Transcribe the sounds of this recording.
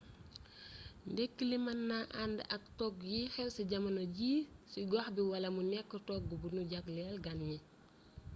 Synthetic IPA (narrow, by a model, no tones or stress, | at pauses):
ndɛkːilimɐnːaʔandəʔɐk̚tɔk̚jixɛlsiɟɐmɐnɐɟiːsiɡɔxbiwɐlɐmunɛkːɔtɔk̚ɡubunuɟaklɛlɡanɲi